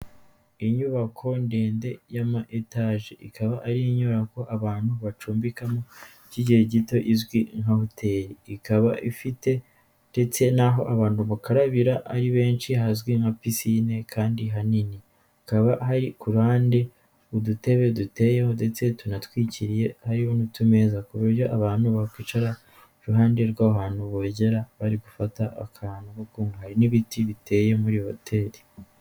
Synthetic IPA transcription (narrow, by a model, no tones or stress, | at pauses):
iɲuβakʰo̞nde̞ːnde̞jamaʔetaʒeʔikʰaβaʔaɾieɲoɾako̞ʔaβaːn̥huβat͡ʃuːmbikamo | ciɟiheɟito̞ʔizwiŋahotʰe̞ːɾiːkaβaʔifite̞ | nde̞t͡se̞naɦo̞ʔaβaːnhuβukaɾaβiɾaʔːɾiβe̞ːnt͡ʃiɦazɡwiŋhapisine̞kʰaːndiɦanini | akaβahaɾikuɾhaːnde̞ | udute̞βe̞dute̞jehonde̞t͡se̞tunatwiːciɾije̞haɾihonutume̞ːzakuβuɾjo̞ʔaβaːnuβakwiːt͡ʃaɾa | ɾuɦaːnde̞ɾɡwaːɦaːnuβoɟe̞ɾaβaɾiɡufataʔa̰kʰaːnukokuːŋɡhaɾiniβitiβite̞je̞muɾiho̞̰tʰe̞ːɾi̥